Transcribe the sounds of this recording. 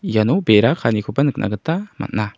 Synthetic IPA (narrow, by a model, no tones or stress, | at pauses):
janobeɾakʰanikʰupanɯk̚nʔa̰ɡət̪ama̰nna